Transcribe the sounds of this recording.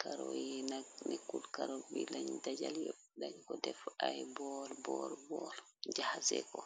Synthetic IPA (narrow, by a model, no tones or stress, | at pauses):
kʰaɾɔjɛnanɛkulkaɾobilaɲdad͡ʒaljo | daɲkɔdɛfajbɔlbɔɾbɔl | d͡ʒahasɛ̰kɔ